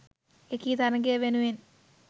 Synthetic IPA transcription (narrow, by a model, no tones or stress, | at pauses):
ekit̪aɾɐŋɡeʋenuen